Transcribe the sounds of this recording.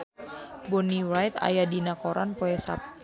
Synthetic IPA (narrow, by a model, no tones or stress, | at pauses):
bɔniwajt̪a̰jadinakɔɾa̰npɔɛsa̰p̚t̪